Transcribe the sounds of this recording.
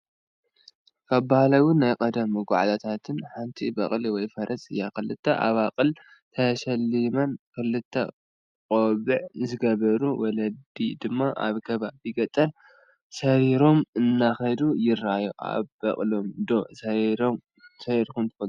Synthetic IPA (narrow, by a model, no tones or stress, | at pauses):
kʰaβbahalɐwʊnajkʼɐd̪ɐmːɨɡʷaʕt̪ʰat̪ʰat̪ʰɨnħant̪ʰibɐχʼliwɔjfɐɾʔɐsʼɨja̰kɨlɨt̪ʰːɐ̰ʔa̰βaqʼɨl | t̪ʰɐʃɐlːimɐnkɨlːɨt̪ʰːɐ̰ | qʼoβɨʕzɨɡɐβɐɾuwɔlɐd̪id̪ɨmːaʔa̰βkʰɐβajɪɡɐt̪ʼːɐl | sɐɾiɾo̞mɨnːaxɐd̪ujɪrajuʔa̰βbɐχʼlo̞md̪osɐɾɾom | sɐɾkumnt̪ɨfɐl